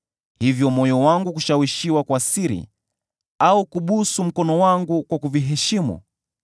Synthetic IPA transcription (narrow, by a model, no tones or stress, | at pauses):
hivjɔmɔjɔwaŋɡukuʃawiʃiwakwasiɾḭ | aukuɓusum̩kɔnɔwaŋɡukwakuviɦɛʃimṵ